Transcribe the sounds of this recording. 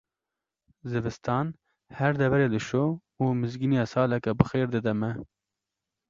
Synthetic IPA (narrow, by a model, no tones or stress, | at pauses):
zɨvɨst̪ɑːn | hɛɾd̪ɛvɛɾeːlɨʃoː | uːmɨzɡinijɑːsɑːlɛkɛbɨxeːɾd̪ɨd̪ɛmɛ